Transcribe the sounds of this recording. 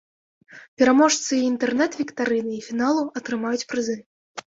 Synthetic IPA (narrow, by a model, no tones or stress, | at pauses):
pʲɛɾamɔʂt̪sɨint̪ɛrnɛt̪vʲikt̪aɾɨnɨifʲinalˠuɐt̪ɾɨmajut͡sʲpɾɨzɨ